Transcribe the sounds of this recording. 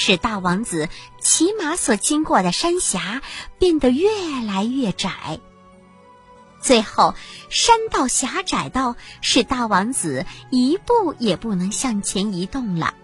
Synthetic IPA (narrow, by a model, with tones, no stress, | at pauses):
ʂɻ̩˥˩t̪a˥˩wɑ˧˥ŋt͡sɹ̩˨˩t͡ɕʰi˧˥ma˧˥swɔ˨˩t͡ɕi˥ŋkwɔ˥˩d̪ə˩ʂa˥nɕja˧˥pjɛ˥˩nd̪ə˩ɥɛ˥˩la˧˥ɪɥɛ˥˩ʈ͡ʂa˨˩˦ɪ | t͡swe˥˧ɪxo˥˩ʊʂa˥nt̪ɑ˥˩ʊɕja˧˥ʈ͡ʂa˨˩ɪt̪ɑ˥˧ʊʂɻ̩˥˧t̪a˥˩wɑ˧˥ŋt͡sɹ̩˨˩˦i˧˥pu˥˩jɛ˨˩pu˥˩nɤ˧˥ŋɕjɑ˥˩ŋt͡ɕʰjɛ˧˥ni˧˥t̪ʊ˥˩ŋlə̰˩